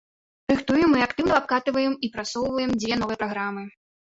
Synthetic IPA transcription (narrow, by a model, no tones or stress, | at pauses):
rɨxt̪ujɛmːɨakt̪ɨwnɐap̚kat̪ɨvɐjɛmipɾat̪sɔwvɐjɛmd͡zʲvʲɛn̪ɔvɨjɛpɾaɣɾamɨ